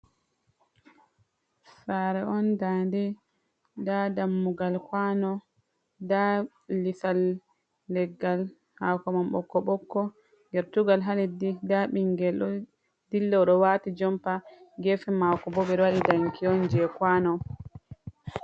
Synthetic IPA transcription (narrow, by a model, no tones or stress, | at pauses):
faɾɛɔndaːndɛ | dadamːuɡalkwanɔ | da | lisalː | ɛɡːal | hakɔmamɓɔkːɔɓɔkːɔ | ŋɡɛɾtuɡalɦalɛdidaɓiŋɡɛlɔ | dilːɔɗɔwatid͡ʒɔmpaɡɛfɛmakɔbɔɓɛɾwaɗidaŋkʰiɔnd͡ʒɛkwanɔ